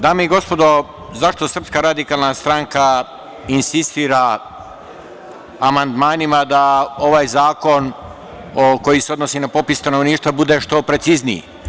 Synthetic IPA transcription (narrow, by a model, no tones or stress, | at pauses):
d̪aːmeiɡo̞spo̞d̪o̞ | zaʃt̪o̞sr̩pskaɾad̪ikaːlnast̪ɾaŋka | insist̪iːɾa | mand̪maːnimad̪ao̞ʋaːjzaːko̞n | oko̞jise̞o̞d̪nosiːnapo̞pisst̪ano̞ʋniːʃt̪ʋabud̪e̞ʃt̪o̞pɾe̞t̪siznḭjḭ